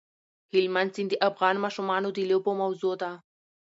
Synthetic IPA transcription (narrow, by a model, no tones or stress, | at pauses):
hɪlmansind̪iʔafɣɑːnmɑːʃumɑːnod̪ilobomɐwzod̪a